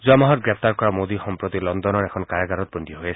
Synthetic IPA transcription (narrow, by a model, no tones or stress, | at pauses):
zuamaɦɔɾɡɾepʰt̪aɾkɔɾamod̪ixɔmpɾot̪ilɔnd̪ɔnɔɾekʰɔnkaɾaɡaɾɔt̪̚bɔnd̪ʱiɔɦojet͡ʃʰ